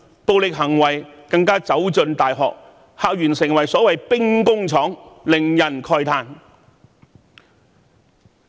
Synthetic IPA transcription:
po˧wlɪ˨k̚ɦɐ˨˩ŋwɐ˨˩jkɐ˧ŋkaː˥t͡sɐ˨˥wt͡sɵ˧nt̪aː˨jɦɔ̰ː˨k̚ | haː˨k̚jɥyː˨˩nsɪ˨˩ŋwɐ˨˩jsɔː˨˥wɐ˨jpɪ˥ŋkʊ˥ŋt͡sʰɔː˨˥ŋlɪ˨˩ŋjɐ˨˩nkʰɔː˧jt̪ʰaː˧n

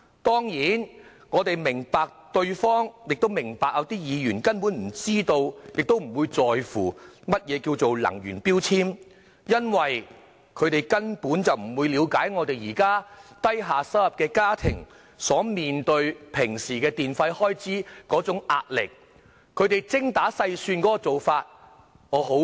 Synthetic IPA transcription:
t̪ɔː˥ŋjiː˨˥n | ŋɔː˨˧t̪e˨jmɪ˨˩ŋpaː˨k̚t̪ɵ˧ɥfɔː˥ŋjɪ˨k̚t̪o˥wmɪ˨˩ŋpaː˨k̚jɐ˨˧wt̪iː˥jiː˨˧jyː˨˩nkɐ˥npu˨˥nm̩˨˩t͡siː˥t̪o˧wjɪ˨k̚t̪o˥wm̩˨˩wuː˨˧jt͡sɔː˨jfuː˨˩mɐ˥t̚jɛː˨˧kiː˧wt͡so˨wlɐ̰˨˩ŋɥy̰ː˨˩npiː˥wt͡sʰiː˥m | jɐ˥nwɐ˨j | kʰɵ˨˧t̪e˨jkɐ˥npuː˨˥nt͡sɐ˨wm̩˨˩wuː˨˧jliː˨˧wkaː˨˥jŋɔː˨˧t̪e˨jiː˨˩kaː˥t̪ɐ˥jɦaː˨sɐ˥wɐ˨p̚kɛː˧kaː˥t̪ʰɪ̰˨˩ŋ | sɔː˨˥miː˨nt̪ɵ˧ɥpʰɪ˨˩ŋsiː˨˩kɛː˧t̪iː˨nfɐ˧jhɔː˥jt͡siː˨˥kɔː˨˥t͡sʊ˨˥ŋʔa̰ː˧t̚lɪ̰˨˩k̚ʰ | ɵ˨˧ɥt̪e˨jt͡sɪ˥ŋt̪aː˨˥sɐ˧jsyː˧nkɔː˨˥kɔ˧t͡so˨wfaː˧t̚ | ŋɔː˨˧ɦo˨˥

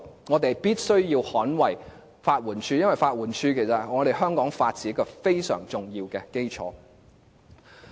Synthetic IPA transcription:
ŋɔː˨˧t̪e˨˩jpiː˥t̚sɵ˥ɥjiː˧whɔː˨˥nwɐ˨˩j | faː˧t̚wuː˨˩nt͡ʃʰyː˧jɐ˥nwɐ˨jfaː˧t̚wuː˨˩nt͡ʃʰyː˧kʰe˨˩jsɐ˨t̚ŋɔː˨˧ɾe˨˩jɦœː˥ŋkɔː˨˥ŋfaː˧t̚t͡siː˨˥ɐ˥kːɔː˧fe˥jsœ̰ː˨˩ŋt͡sʊ˨ŋjiː˧wkɛː˧ke˥jt͡ʃʰɔ̰ː˨˥

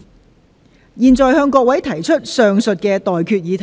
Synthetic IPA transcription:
jiː˨nt͡ʃɔː˨jhœː˧ŋkɔː˧k̚wɐ˨˥jt̪ʰɐ˨˩jt͡ʃʰɵ˥t̚sœː˨˧ŋsɵ˨t̚kɛ˧t̪ɔː˨jkʰyː˧t̚jiː˨˧t̪ʰ

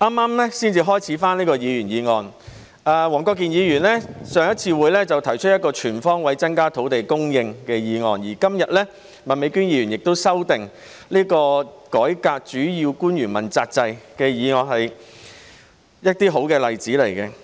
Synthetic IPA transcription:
ʔaː˥mːaː˥mlɛ˥siː˥nt͡siː˧ɦɔː˥jt͡sʰiː˨˥faː˥nliː˥kɔː˧jiː˨˧jyː˨˩njiː˨˧ŋɔː˨˧n | aː˧wɔː˨˩ŋkɔː˧k̬ːiː˨njiː˨˧jyː˨˩nlɛ˥sœː˨˧ŋjɐ˥t̚t͡sʰiː˧wuː˨˧jlɛː˥t͡sɐ˨wt̪ʰɐ˨˩jt͡ʃʰɵ˥t̚jɐ˥t̚kɔː˧t͡ʃʰyː˨˩nfɔː˥ŋwɐ˨˥jt͡sɐ˥nkaː˥t̪ʰo˨˥wt̪e˨jkʊ˥ŋjɪ˧ŋkɛː˧jiː˨˧ŋɔː˨njiː˨˩kɐ˥mjɐ˨t̚lɛ˥ | mɐ˨nme˨˧jkyː˥njiː˨˧jy˨˩njɪ˨k̚t̪o˥wsɐ˥wt̪ɪ˨ŋ | liː˥kɔː˧kɔː˨˥jkaː˧k̚t͡ʃyː˨˥jiː˧wkuː˥njyː˨˩nmɐ̰˨˩nt͡saː˧k̚t͡sɐ˧jkɛː˧jiː˨˧ŋɔː˨nhɐ˨j | jɐ˥t̚t̪iː˥ɦo˨˥wkɛː˧lɐ˨jt͡siː˨˥le˨˩jkɛ˧

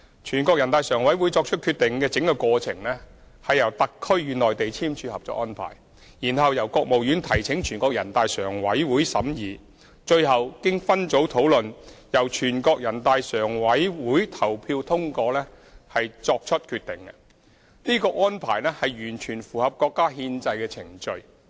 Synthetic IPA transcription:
t͡ʃʰyː˨˩nkɔː˧k̚jɐ˨˩nt̪aː˧jsœː˨˩ŋwɐ˨˥jwuː˨˥jt͡sɔː˧k̚t͡ʃʰɵ˥t̚kʰyː˧t̪̚ɪ˨ŋkɛː˧t͡sɪ˨˥ŋkɔ˧kʷɔː˧t͡sʰɪ˨˩ŋlɛː˥ | hɐ˨jɐ˨˩wt̪ɐ˨kʰːɵ˥ɥːyː˨˧nɔː˨jt̪e˨jt͡sʰiː˥mt͡ʃʰyː˨˧hɐ˨p̚t͡sɔ̰˧˥ʔɔ̰ː˥npʰa̰ː˨˩j | jiː˨˩nhɐ˨˧wjɐ˨˩wkɔː˧k̚mo˨wjyː˨˥nt̪ʰɐ˨˩jt͡sʰɪ˨˥ŋt͡ʃʰyː˨˩nkɔː˧kjɐ˨˩nt̪aː˨˧jsœː˨˩ŋwɐ˨˥jwuː˨˥jsɐ̰˨˥mjiː˨˧ | t͡ʃɵ˧ɥhɐ˨wkɪ˥ŋfɐ˥nt͡so˨˥wt̪ʰo˨˥wlɵ˨njɐ˨˩wt͡ʃʰyː˨˩nkɔː˧k̚jɐ˨˩nt̪aː˨˧jsœː˨˩ŋwɐ˨˥jwuː˨˥jt̪ʰɐ˨˩wpʰiː˧wt̪ʰʊ˥ŋkɔː˧lɛː˥ | hɐ˨jt͡sɔː˧k̚t͡ʃʰɵ˥t̚kʰyː˧t̚t̪ɪ˨ŋkɛ̰˧ | niː˥kɔː˧ʔŋɔː˥npʰaː˨˩jlɛ˥hɐ˨jjyː˨˩nt͡ʃʰyː˨˩nfuː˨hɐ˨p̚kɔː˧kːaː˥hiː˧nt͡sɐ˧jkɛː˧t͡sʰɪ˨˩ŋt͡ʃɵ˧ɥ

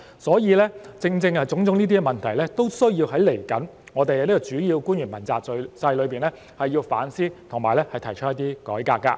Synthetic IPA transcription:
sɔː˨˥jiː˨˧lɛː˥t͡sɪ˧ŋt͡sɪ˧ŋɐ˨t͡sʊ˨˥ŋt͡sʊ˨˥ŋniː˥iː˥ɛ˨mɐ˨nt̪ʰɐ˨˩jlɛː˥t̪o˥wsɵ˥ɥjiː˧wɦɐ˨˥jle˨˩jkɐ˨˥n | ŋɔː˨˧t̪e˨jhɐ˨˧ni˥kɔ˧t͡ʃyː˨˥jiː˧wku˥nɥyː˨˩mɐ˨˩nt͡saː˨˧sɐ˧jlɵ˨˧ɥpiː˨˩nlɛː˥ | hɐ˨jːiː˧wfa̰ː˨˥nsiː˥t̪ʰʊ˨˩ŋmaː˨˩jlɛː˥hɐ˨jt̪ʰɐ˨˩jt͡ʃʰɵ˥jɐ˥t̪iː˥kɔ̰ː˨˥jkaː˧kːa̰˧

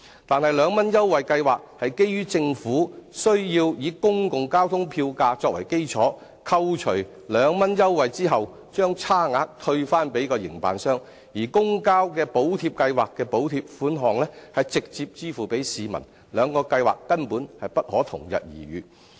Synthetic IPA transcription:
t̪aː˨nhɐ˨jlœː˨˧ŋmɐ˥njɐ˥wwɐ˨jkɐ˧jwaː˨k̚hɐ˨jke˥jjyː˥t͡sɪ˧ŋfuː˨˥sɵ˥ɥjiː˧wjiː˨˥kʊ˥ŋkʊ˨ŋkaː˥wt̪ʰʊ˥ŋpʰiː˧wkaː˧t͡sɔː˧k̚wɐ̰˨˩jke˥jt͡ʃʰɔː˨˥ | kʰɐ˧wt͡ʃʰɵ˨˩ɥ | lœː˨˧ŋmɐ˥njɐ˥wwɐ˨jt͡siː˥ɦɐ˨w | t͡ʃœː˥ŋt͡sʰaː˥ŋaː˧k̚t̪ʰɵ˧ɥfaː˥npe˨˥jkɔː˧jɪ̰˨˩ŋpa̰ː˨nsœː˥ŋ | jiː˨˩kʊ˥ŋkaː˥wkɛː˧po˨˥wt̪ʰiː˧p̚kɐ˧jwaː˨kːɛː˧po˨˥wt̪ʰiː˧p̚fuː˨˥nɦɔː˨˩ŋlɛː˥hɐ˨jt͡sɪ˨k̚t͡siː˧p̚t͡siː˥fuː˨pe˨˥jsiː˨mɐ̰˨˩n | lœː˨˧ŋkɔː˧kɐ˧jwa̰ː˨kːɐ˥npuː˨˥nhɐ˨jpɐ˥t̚hɔː˨˥t̪ʰʊ̰˨˩ŋjɐ̰˨t̚jḭː˨˩ɥy̰ː˨˧

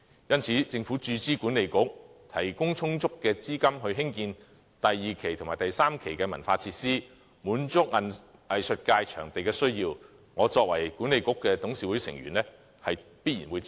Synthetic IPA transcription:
jɐ˥nt͡sʰiː˨˥t͡sɪ˧ŋfuː˨˥t͡ʃyː˧t͡siː˥kuː˨˥ne˨jkʊ˥k̚t̪ʰɐ˨˩jkʊ˥ŋt͡sʰʊ˥ŋt͡sʊ˥kːɛː˧t͡siː˥kɐ˥mhɵ˧ɥɦɪ˥ŋkiː˧n | t̪ɐ˨jːiː˨kʰe˨˩jt̪ʰmaː˨jt̪ɐ˨jsaː˥mkʰe˨˩jkɛː˧mɐ̰˨˩nfaː˧t͡sʰiː˧t̚siː˥ | muː˨˥nt͡sʊ˥k̚ɐ˨n | ɐ˨jsɵ˨t̚kaː˧jt͡ʃʰœː˨˩ŋt̪e˨jkɛː˧sɵ˥ɥjiː˧w | ŋɔː˨˧t͡sɔː˧k̚wɐ̰˨˩jku˨˥ne˨jkʊ˥kːɛː˧t̪ʊ˨˥ŋsiː˨˥wuː˨˥jsɪ̰˨˩ŋɥy̰˨˩nlɛ˥ | hɐ˨jpiː˥t̚jiː˨˩nwuː˨˧j

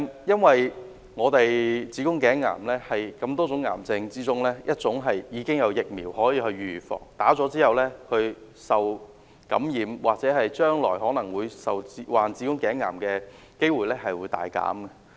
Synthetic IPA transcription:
mjɐ˥nwɐ˨j | ŋɔː˨˧t̪e˨jt͡siː˨˥kʊ˥ŋkɛː˨˥ŋːa̰ː˨˩mlɛː˥hɐ˨jkɐ˧mt̪ɔː˥t͡sʊ˨˥ŋːa̰ː˨˩mt͡sɪ˧ŋt͡siː˥t͡sʊ˥ŋlɛː˥jʔɐ˥t̚t͡sʊ˨˥ŋɦɐ˨jjiː˨˧kɪ˥ŋjɐ˨˧wjɪ˨k̚mḭː˨˩whɔː˨˥jiː˨˧hɵ˧ɥyː˨˩fɔ̰ː˨˩ŋt̪aː˨˥t͡sɔː˨˥t͡siː˥hɐ˨wlɛː˥kʰɵ˧ɥ | sɐ˨w | kɐ˨˥mjiː˨mwaː˨k̚t͡sɛː˨˧˥hɐ˨jt͡ʃœː˥ŋlɔː˨˩jɦɔː˨˥nɐ˨˩ŋwuː˨˧jsɐ˨wi˨˧waː˨nt͡siː˨˥kʊ˥ŋkɛː˨˥ŋːa̰ː˨˩mkɛː˧ | ke˥jwuː˨jlɛː˥hɐ˨jwuː˨˧jt̪a̰ː˨jka̰ː˨˥mɡɐ˧

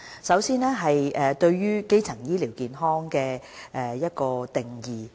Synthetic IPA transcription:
sɐ˨˥wsiː˥nɛː˥ɦɐ˨jʔɛː˨t̪ɵ˧ɥɥyː˥ke˥jt͡sʰɐ˨˩ŋjiː˥liː˨˩wkiː˨nɦɔː˥ŋkɛː˧ʔɛː˨˧jɐ˥t̚kɔː˧t̪ɪ˨˩ŋjiː˨

